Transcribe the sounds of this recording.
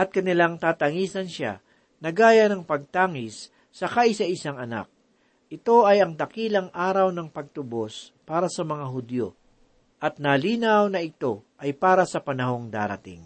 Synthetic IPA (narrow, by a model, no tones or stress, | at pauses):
ʔɐt̪̚kɐnɪlaŋt̪aːt̪ɐŋiːsɐnʃa̰ | nɐɡaːjɐnɐŋpɐɡ̚t̪aːŋɪsː | ɐkɐʔɪsɐʔɪsaŋɐna̰k̚ | ʔɪt̪o̞ʔɐjɐŋt̪ɐkiːlɐŋʔaːɾɐwnɐŋpɐɡ̚t̪ʊbo̞spaːɾɐsɐmɐŋaɦʊd̪jo̞̰ | ʔɐt̪̚naliːnɐwnɐʔɪt̪o̞ʔɐjpaːɾɐsɐpɐnɐɦo̞ŋd̪a̰ːɾɐ̰t̪ḭŋ